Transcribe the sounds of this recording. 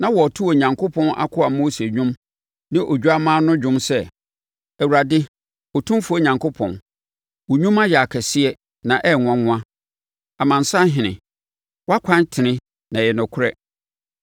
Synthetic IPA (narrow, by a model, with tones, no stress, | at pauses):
nã˦wɔ˨tʰu˦o˨ɲã˨ŋkʊ˦pʰɔ̃˦nʔa̰˦kʰʊ˦a˨moː˦se˨ɲᶣũ˦m | nɪ̃˦ʔo˨d͡ʑᶣu˦a˦mãː˦nʊ̃˦d͡ʑᶣʊ̃˦msɛ˦ | æ˨wu˨ɾa˨dɪ˦ | ɔ˨tʰũ˦m˦fu˨˦o˦˨ɲã˨ŋkʰo˦pʰɔ̰̃˨n | wɔ˨ɲᶣũ˦ma˦jɛ˨a˨kʰɛ˨sɪ˦ɛ˦ | nã˨ʔɛ˦˨ŋʊ̃˨ã˦ŋʊ̃˦ã˦ | a˨mã˨n̩˨sa˦ɦɪ̃˨nɪ̃˨ | wa˦kʷʰã˦ntʰɪ˨nɪ̃˦ | nã˨jɛ˨nʊ̃˨kʰʊ˦ɾɛ˦